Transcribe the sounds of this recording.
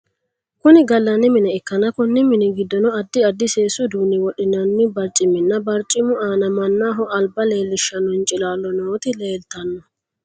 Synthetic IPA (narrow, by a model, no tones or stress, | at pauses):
kʊnɪɡɐlːɐnːɪmɪnɛɛkːɐnɐkʊnːɪmɪnɛɡɪd̪ːɔnɔɐd̪ːɪɐd̪ːɪseːsʊd̪uːnɪwɔɗɪnɐnːɪbɐɾt͡ʃʼɪmɪnːɐbɐɾt͡ʃʼɪmʊaːnɐmɐnːaːɦɔʔɐlbɐle̞ːlːɪʃːɐnːɔnt͡ʃʼɪlaːlːɔnoːt̪ɪleːlt̪ɐnːɔ